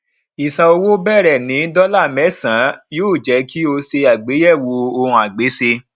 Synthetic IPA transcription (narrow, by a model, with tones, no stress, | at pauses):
i˨sa˧o˧wo˦bɛ˦˨ɾɛ˨nĩ˨˦dɔ˦la˦˨mɛ˨˦˨sã˨˦joː˦˨d͡ʒɛ˨˦kʰi˦o˧se˧a˨ɡ͡be˨˦jɛ˦˨wo˧˦o˧hũ˧a˨ɡ͡be˨˦se˧